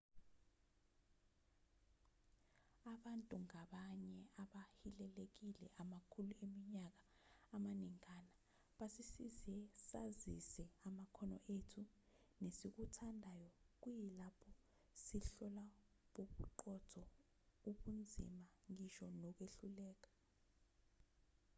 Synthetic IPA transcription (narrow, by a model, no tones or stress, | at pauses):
aɓantʼuŋaɓaɲɛaɓahilɛlek̬ilɛ̰ʔamakʰuluemiɲak̬aː | maniŋkʰʼana | ɓasisizɛsazḭsɛamakʰɔnɔ̰ʔetʰu | nesik̬utʰandʱajɔk̬ujɛlapʰɔ | siɬɔla | ɓoɓuǃɔtʰɔ | uɓund͡zʱḭmaŋiʃɔnɔk̬weɬulɛːk̬ḁ